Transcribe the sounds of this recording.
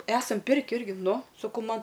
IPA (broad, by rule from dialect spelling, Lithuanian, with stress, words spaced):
ˈæːsɐm ˈpʲɪrʲkʲɪ ˈɪrʲɡʲɪ ˈnʊ sɐˈkɐʊ ˈmɐn